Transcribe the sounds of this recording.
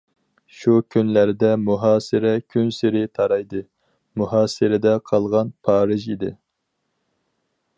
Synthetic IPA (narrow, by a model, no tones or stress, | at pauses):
ʃukʲʰynlæɾd̪ɛmuɦɑːsɨɾɛkʲʰynsɪɾɪt̪ʰɑɾɑjd̪ɨ | muɦɑːsɨɾɛd̪ɛqʰɑlˠʁɑnpʰɑːɾɨʒid̪ɪ